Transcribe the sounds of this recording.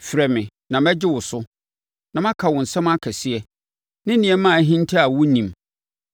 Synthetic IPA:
fɾɛ˨mɪ̃˨ | nã˨mɛ˦d͡ʑɪ˦wʊ˨sʊ˦ | nã˨mã˦kʰa˨wʊ̃˨n̩˨sɛ̃˦ma˦kʰɛ˨si˦ɛ˨ | nɪ̃˦nĩ˨ɛ˦mã˦˨˦ɦĩ˦n˦tʰa˦a˨wʊ˦nĩ˨m

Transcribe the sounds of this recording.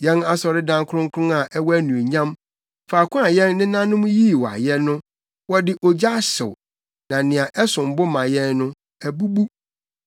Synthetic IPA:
jɛ̃˦na˦sɔ˨ɾɪ˦dã˦ŋkʰʊ˦ɾʊ̃˦ŋkʰʊ̃˦na˨ʔɛ˦wæ˦nũ˨e˨ɲã˦m | faː˨kʰʊ̃˦a˨jɛ̃˦nːɪ̃˦nã˦nʊ̃˦m˦ji˦˨wɔ˨a̰˨jɛ˦nʊ̃˦ | wɔ˦dɪ˨ʔɔ˨d͡ʑa˦ɕɪ̰˨w | nã˨nɪ̃˨a˨ʔɛ˦sʊ̃˨m̩˨bʊ˦mã˨jɛ˦nːʊ̃˦ | æ˨bu˦bu˦

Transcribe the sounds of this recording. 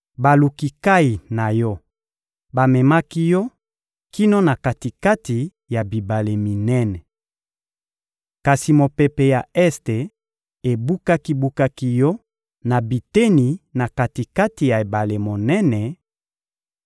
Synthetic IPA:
ba˨lu˨ki˨ka˦i˨na˨jɔ˦ | ba˨mɛ˨ma˦ki˦jɔ˦ | ki˦no˦na˨ka˨ti˨ka˦ti˨ | ja˨bi˨ba˨le˨mi˨nɛ˦nɛ˨ | ka˨si˨mo˨pɛ˨pe˨ja˨ɛ˦ste˨ | e˨bu˦ka˦ki˦bu˦ka˦ki˦jɔ˦ | na˨bi˨te˦ni˨na˨ka˨ti˨ka˦ti˨ja˨e˨ba˨le˨mo˨nɛ˦nɛ˨

